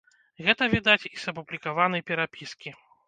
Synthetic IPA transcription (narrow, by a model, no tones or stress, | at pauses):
ɣɛt̪ɐvʲid̪at͡sʲisɐpublʲikavanɨjpʲɛɾapʲiskʲi